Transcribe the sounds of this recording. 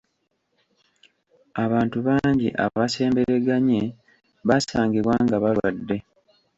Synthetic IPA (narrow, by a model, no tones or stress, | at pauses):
aβaːntuβaːɲɟiʔa̰βase̞ːmbeɾe̞ɡaɲe̞ | βasaːŋɡiβwaŋɡaβalwadːe̞